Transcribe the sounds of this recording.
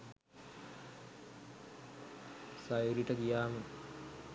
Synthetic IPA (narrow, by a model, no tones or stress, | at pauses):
sajuɾiʈəkijaːmə